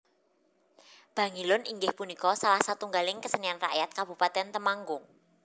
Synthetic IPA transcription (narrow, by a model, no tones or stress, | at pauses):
b̥a̤ŋilʊnʔiŋɡɪhpunikɔsalahsat̪uŋɡalɪŋkəsənianra̰ʔjat̪̚kab̥upat̪ɛnt̪əmaŋɡʊŋ